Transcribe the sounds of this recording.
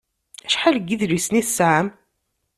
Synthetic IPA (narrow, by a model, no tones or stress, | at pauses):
æʃħaləɡːiðɾisnisaʕəm